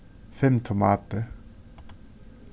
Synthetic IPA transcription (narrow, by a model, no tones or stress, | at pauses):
fɛmt̪ʰʊmɑːt̪ə